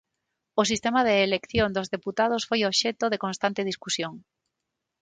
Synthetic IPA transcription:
ʊs̬ist̪emaðeːlekθjõnd̪ozðeput̪að̞osfojoβʃɛt̪oðekonst̪ant̪ɪð̞iskusjoŋ

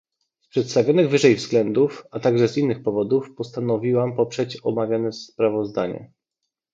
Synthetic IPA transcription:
spʂɛt̪st̪avʲjɔnɘɣvɘʐɛjvz̥ɡlɛnd̪ufat̪aɡʐɛzinːɘxpɔvɔd̪ufpɔst̪anɔvʲiwampɔpʂɛt͡ɕɔmavʲjanɛspɾavɔzd̪aɲɛ̰

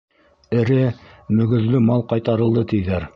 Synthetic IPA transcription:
ɘ̆ɾɘmɵ̆ɡɵ̆zlɵmɑlˠqɑjt̪ɑɾɤ̆lˠd̪ɤt̪ijðæɾ

